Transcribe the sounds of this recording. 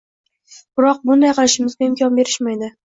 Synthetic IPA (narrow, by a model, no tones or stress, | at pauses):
b̥ɪɾɒq̚bʊnd̪ajqʰɨlˠɪʃɪmɪzɡʲaɪmkʰʲɒnbe̞ɾɪʃmajd̪ɪ